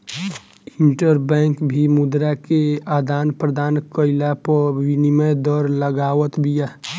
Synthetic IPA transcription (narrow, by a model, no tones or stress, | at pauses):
ɪ̃ɳʈəɾbɛ̃ːŋkbʱimud̪ɾakeaːd̪aːnpɾəd̪ʱaːnkəɪlapəʋiniməjd̪ɔːɾləɡaːʋət̪bʱijaː